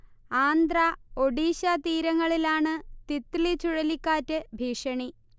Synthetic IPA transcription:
aːnd̪rao̞ɖiːɕɐt̪iːɾɐŋːɐɭilaːɳɨt̪it̪ːiɭit͡ɕuɻɐlikːaːtːɨbʱiːʂɐɳi

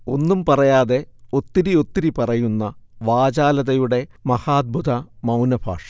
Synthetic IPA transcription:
o̞nːumpɐrɐjaːðe̞o̞t̪ːiɾio̞t̪ːiɾipɐrɐjunːɐʋaːd͡ʑaːlɐðɐjuɽe̞mɐhaːd̪̚bʱud̪ɐmɐwnɐbʱa̰ːʂɐ̥

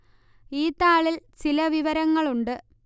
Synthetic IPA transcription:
iːt̪aːɭilt͡ɕilɐʋiʋɐɾɐŋːɐɭuɳɖɨ

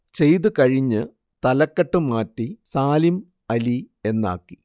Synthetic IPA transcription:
t͡ɕe̞jt̪ɨkɐɻiɲːɨ | t̪ɐlɐkːɐʈːɨmaːtːisaːlim | ɐli | e̞nːa̰ːkːi̥

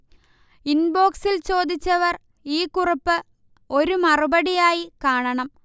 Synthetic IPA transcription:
inbo̞ːksilt͡ɕo̞ːd̪it͡ɕːɐʋɐr | iːkːuripːɨ | o̞ɾumɐrubɐɽijaːjikaːɳɐɳɐm

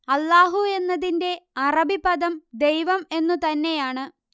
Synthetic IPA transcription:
ɐlːaːɦue̞nːɐðinde̞ɐrɐbibɐðɐmd̪e̞jʋɐme̞nːut̪ɐnːe̞jaːɳɨ

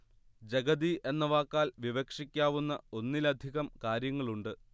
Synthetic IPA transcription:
d͡ʑeɡɐd̪iʔe̞nːɐʋaːkːaːlʋiʋɐkʂikʲːaːʋunːɐ̰o̞nːilɐd̪ʱiɣɐmkaːɾjɐŋːɐɭuɳɖɨ

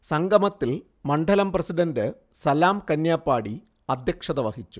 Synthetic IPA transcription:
sɐŋɡɐmɐt̪ːil | mɐɳɖʱɐlɐmprɐsiɖɐndɨ | sɐlaːmkɐnjaːpːaːɽi | ɐd̪ʱjɐkʂɐðɐʋɐhit͡ɕːu

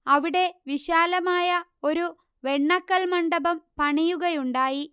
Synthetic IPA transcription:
ɐʋiɽe̞ʋiɕaːlɐmaːjɐo̞ɾu | ʋe̞ɳːɐkːɐlmɐɳɖɐbɐmpɐɳijuɣɐjuɳɖaːji

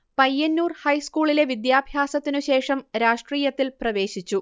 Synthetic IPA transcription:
pɐjːɐnːuːrhɐjskuːɭile̞ʋid̪jaːbʱjaːsɐt̪ːinuɕe̞ːʂɐmɾaːʂʈriːjɐt̪ːilprɐʋe̞ːɕit͡ɕːu

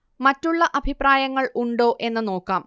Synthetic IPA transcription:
mɐtːuɭːɐʔɐbʱipraːjɐŋːɐɭʔuɳɖo̞ːʔe̞nːɨno̞ːkːaːm

